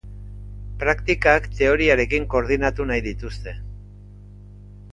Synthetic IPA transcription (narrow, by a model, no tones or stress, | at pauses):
pɾakt̪ikakt̪e̞o̞ɾiaɾe̞kiŋko̞ɾð̞inat̪unajðit̪ust̪e̞